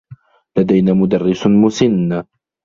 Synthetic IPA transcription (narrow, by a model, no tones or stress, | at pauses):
lad̪ajnaːmʊd̪arːɪsmʊsɪnː